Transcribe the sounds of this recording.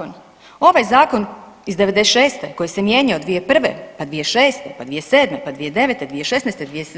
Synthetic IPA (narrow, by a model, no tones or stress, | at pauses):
n | o̞ʋajzaːko̞nizd̪eʋed̪eʃeːst̪eko̞jisemjeɲaod̪ʋije̞pr̩ʋḛpad̪ʋijeʃeːst̪epad̪ʋijeseːd̪mepad̪ʋijed̪e̞ʋet̪ed̪ʋijeʃe̞snest̪ed̪ʋie